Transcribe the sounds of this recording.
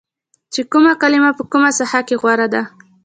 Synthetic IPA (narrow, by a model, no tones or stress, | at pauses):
t͡ʃekumakalɪmapəkumasahakeɣwaɾad̪a